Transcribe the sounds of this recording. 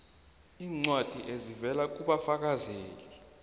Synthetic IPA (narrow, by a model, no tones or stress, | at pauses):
iːŋ͡ǀwad̥ʱiʔezivɛlak̬ʼuɓafak̬ʼazeːli